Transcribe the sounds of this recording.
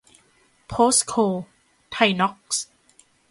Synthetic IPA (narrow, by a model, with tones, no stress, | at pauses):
pʰoː˦˥skʰoː˧ | t̪ʰa˧jnɔ˦˥k̚s